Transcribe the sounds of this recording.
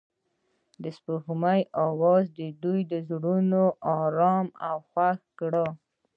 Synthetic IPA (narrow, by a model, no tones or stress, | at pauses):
d̪əspəɣmajʔɑwɑzd̪əd̪ujd̪əzɽunoʔɑɾɑmawxwaxɡɽɑ